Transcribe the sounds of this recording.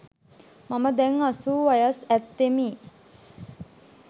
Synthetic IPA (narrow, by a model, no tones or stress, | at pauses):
maməd̪ɛŋasuːʋajəsæt̪ːemiː